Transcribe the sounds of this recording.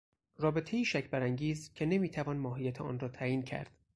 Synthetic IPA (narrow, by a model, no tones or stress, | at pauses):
rɒːbe̞t̪ʰejiːʃæcʰbæɾæŋɟiːzcʰene̞miːt̪ʰævɒːnmɒːɦijæt̪ʰeʔɒ̰ːnrɒːt̪ʰæːiːncʰæ̰ɾd̪̥